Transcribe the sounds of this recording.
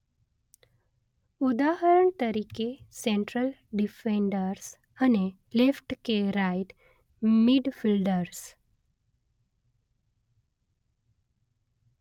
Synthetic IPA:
ud̪aɦəɾəɳt̪əɾikesẽɳʈɾəlɖifẽɳɖəɾs | əne | lefʈkeɾajt̪ | miɖfilɖəɾs

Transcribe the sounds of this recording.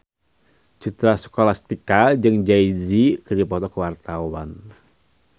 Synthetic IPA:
t͡ʃut̪ɾasɔ̥kɔlast̪ikad͡ʒɨŋd͡ʒaizikərdipɔt̪ɔkuwart̪awan

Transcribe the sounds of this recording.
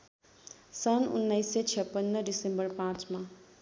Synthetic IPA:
sʌnṵnːajset͡sʰjʌpːʌnːʌɖisembʌrpãt͡sma

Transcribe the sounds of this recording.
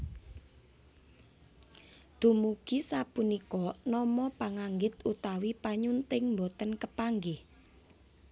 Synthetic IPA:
d̪̥ṳmuɡ̥isapunikɔnɔmɔpaŋaŋɡɪt̪ut̪awipaɲunt̪ɪŋmbot̪ənkəpaŋɡɪh

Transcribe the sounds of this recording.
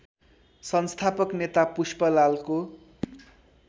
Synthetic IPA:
sʌnst̪ʰapʌknet̪apuspʌlalko

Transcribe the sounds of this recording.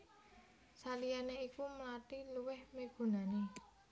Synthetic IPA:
salianeikuməlat̪iluwɪhmeɡ̥o̤nane

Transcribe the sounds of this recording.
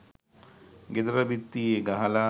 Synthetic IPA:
ɡed̪ɐɾəbit̪ːijeɡaɦɐlaː

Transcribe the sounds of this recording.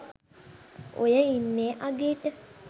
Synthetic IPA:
o̰jəinːeːʔaɡeːʈə

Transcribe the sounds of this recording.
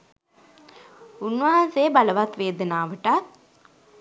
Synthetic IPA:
unʋaɦaseːbaləʋat̪ʋeːd̪ənaːʋəʈat̪̚

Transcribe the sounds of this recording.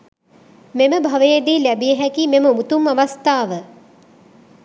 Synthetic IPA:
meməbʱaʋəjed̪iːlæbijəɦækimeməmut̪umaʋast̪aːʋə

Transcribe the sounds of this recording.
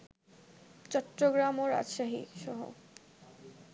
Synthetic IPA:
t͡ɕɔʈːɾoɡɾamoɾa̰d͡ʑʃaɦḭʃɔɦo̰

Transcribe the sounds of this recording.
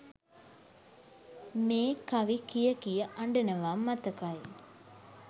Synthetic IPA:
meːkaʋikijəkijəʔaɳɖənəʋaːmːat̪əkaj

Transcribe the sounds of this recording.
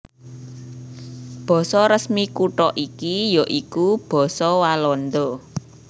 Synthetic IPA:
b̥ɔ̤sɔɾəsmikuʈɔʔikijoʔikub̥ɔ̤sɔwalɔnd̪ɔ

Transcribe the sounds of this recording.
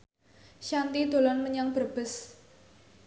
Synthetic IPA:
ʃant̪id̪o̤lɔnməɲaŋb̥ərb̥ə̤s

